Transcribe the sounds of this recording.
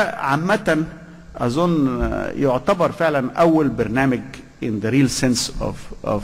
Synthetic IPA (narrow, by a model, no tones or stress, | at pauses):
ʕamːæt̪æn | ʔæzˤonːjoʕt̪æbɑɾˤfeʕlænʔæwːælbɑɾˤnæːmɪɡ | ʔɪnðæɾiːlsens